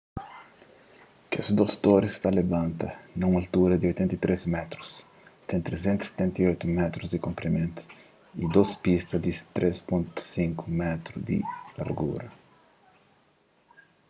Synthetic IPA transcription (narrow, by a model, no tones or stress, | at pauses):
kesud̪ost̪oɾist̪ɐlebãnt̪ɐnɐũŋɐlt̪uɾɐd̪iojt̪ɛ̃nt̪ɐit̪ɾʔesmɛt̪ɾu̥s | t̪ɛ̃nt̪ɾezɛ̃nt̪u̥se̥t̪ɛ̃nt̪iojt̪umɛt̪ɾuzd̪ikõmpɾimẽnt̪ʊ̥ | id̪ospist̪ɐd̪it̪ɾʔespũnt̪u̥sĩŋkumɛt̪ɾud̪ḭlɐ̰ɾɡṵɾɐ